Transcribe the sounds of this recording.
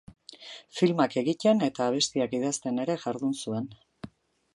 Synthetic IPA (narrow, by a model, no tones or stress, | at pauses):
filmake̞ɣit̪e̞ne̞t̪aːβ̞e̞st̪iakiðast̪e̞ne̞ɾe̞ʝaɾðunsue̞n